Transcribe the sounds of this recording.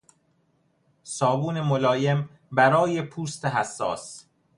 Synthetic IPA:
sɒːbuːne̞molɒːje̞m | bæɾɒːje̞pʰuːst̪eɦæsːɒ̰ːs

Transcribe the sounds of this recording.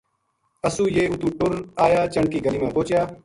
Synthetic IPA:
əsũːjeːʊt̪ũːʈʊɾaːjaːt͡ʃəɳ̚kiːɡəliːmãːpoːt͡ʃjaː

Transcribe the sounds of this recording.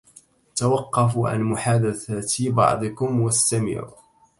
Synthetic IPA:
t̪awɑqːɑfuʕa̰nmʊħaːd̪aθat̪ibɑ̰ʕd̪ˤɨkʊmwast̪amɪ̰ʕṵ

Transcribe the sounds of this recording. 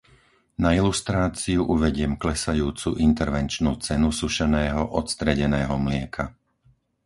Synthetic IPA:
nailust̪ɾaːt͡siuʔuʋɛɟɪɛmklɛsajuːt͡suʔint̪ɛɾʋɛnt͡ʃnuːt͡sɛnusuʃɛnɛːɦɔʔɔt̪st̪ɾɛɟɛnɛːɦɔmlɪɛkʰa

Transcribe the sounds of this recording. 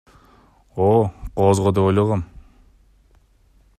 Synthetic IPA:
oqʰozʁod̪epojlˠɑʁɑm

